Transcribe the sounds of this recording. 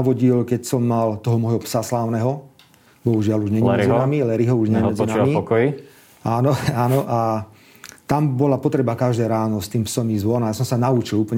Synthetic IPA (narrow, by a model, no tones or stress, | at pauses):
aʋɔɟilkɛcsɔmːalt̪ɔɦɔmɔjɦɔpsaslaːʊnɛɦɔ | bɔɦuʒɪaluʒɲɛɲɛd͡zinamilɛɾiɦɔuʒɲɛmɛd͡zinamiɔkɔi | ʔaːnɔaːnɔʔa | t̪ambɔlapɔt̪ɾɛbakaʒd̪ɛːɾaːnɔst̪iːmpsɔmizʋɔnajasɔ̃msanaut͡ʃiluːpl̩ɲ